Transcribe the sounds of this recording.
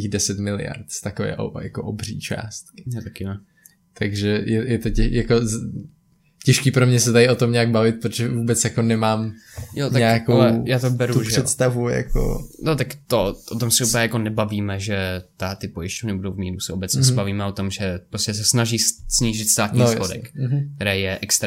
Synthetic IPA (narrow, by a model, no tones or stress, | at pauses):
iɣdɛsɛt̪mɪlɪ̰ja̰ɾt̪st̪akovɛ̰ːʔo̰ja̰koʔobrḭːt͡ʃa̰ːst̪kɪ̥t̪akɪno | t̪aɡʒɛjɛjɛt̪ocɛjako | cɛʃkiːpɾomɲɛsɛt̪aɾɪʔot̪omɲɛaɡ̚bavɪt̪̚pɾot̪oʒɛvuːbɛt͡sjakonɛmaːmjot̪aɲɛkakolɛjaːt̪obɛɾuuʒprɛɛt̪st̪avuja̰ko̰not̪akt̪oʔot̪omsɛuplɛjako̞nɛbaviːmɛʒɛt̪at̪ɪpojɪʃcovnɪbudowvmiːɾusɛʔobɛt͡sɲɛsɛbaviːmɛot̪o̞mʒɛpɾoscɛs̬ɛsnaʒiːssɲiːʒɪt̪st̪aːt̪nɲsxodɛ̰kkt̪ɛɾɛːjɛʔɛkst̪